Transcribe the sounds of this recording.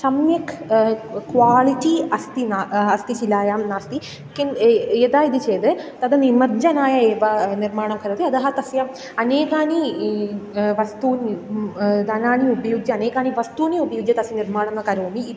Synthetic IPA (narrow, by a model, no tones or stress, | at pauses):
sɐmjɐkʰ | kʋaːliʈiɐst̪inaɐst̪it͡ʃilaːjaːmnaːst̪i | kineːd̪aːid̪it͡ʃeːd̪ɨt̪ɐd̪ɐnimɐd͡ʒɐnaːjɐeːʋɐnirmaːɳɐmkʰɐɾut̪iɐd̪ɐɦɐt̪ɐsjaːm | ɐneːkaːni | ʋɐst̪uːn | d̪ɐnaːniubɐjuːɡjɐɐneːkaːniʋɐst̪uːniubɐjuɡjɐt̪ɐsiniɾmaːɳɐnːɐkɐɾoːmiː